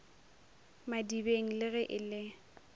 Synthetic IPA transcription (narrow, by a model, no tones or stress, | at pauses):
madibeŋ̩lɪɣɛʔɪlɪ